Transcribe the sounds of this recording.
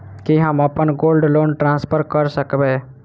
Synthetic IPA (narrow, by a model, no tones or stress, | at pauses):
kiɦəməpənɡoːlɖloːnʈɾãːnspʰəɾkəɾsəkbe